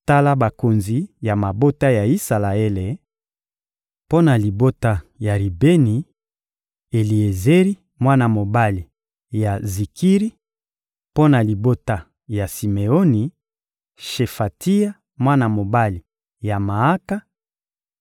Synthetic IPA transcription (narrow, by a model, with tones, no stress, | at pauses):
ta˦la˦ba˨ko˨nzi˨ja˨ma˨bo˦ta˦ja˨i˦sa˨la˨e˦le˨ | po˦na˨li˨bo˦ta˦ja˨ʁi˨be˦ni˨ | e˨li˨e˨ze˦ʁi˦ | mwa˦na˨mo˨ba˦li˨ | ja˨zi˨ki˦ʁi˦ | po˦na˨li˨bo˦ta˦ | ja˨si˨me˨o˦ni˨ | ʃe˨fa˨ti˦a˦ | mwa˦na˨mo˨ba˦li˨ | ja˨ma˨a˦ka˦